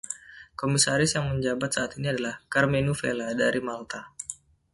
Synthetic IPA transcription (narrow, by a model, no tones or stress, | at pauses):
komisaɾɪsjaŋməɲd͡ʒabat̪̚saat̪iniadalahkarmenufḛladaɾimalt̪a